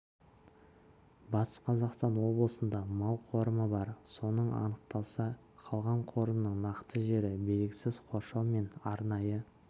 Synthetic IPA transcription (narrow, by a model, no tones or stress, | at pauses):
bɑt̪ə̥sqʰɑzɑqst̪ɑnwo̞blˠəsənd̪ɑmɑlˠqʰo̞ɾəməbɑɾso̞nəɴɑ̰nəqt̪ɑlˠsɑ | qʰɑlˠʁɑɴqʰo̞ɾəmnəɴnɑqt̪əʒe̞ɾɪbe̞lɡʲɪsɪzqʰo̞ɾʃɑwme̞nɑɾnɑjə